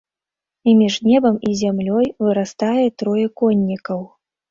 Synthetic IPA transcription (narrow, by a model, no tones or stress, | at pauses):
imʲiʐnʲɛbɐmizʲamlʲɔjvɨɾast̪ajɛt̪ɾɔjɛkɔnʲːikɐw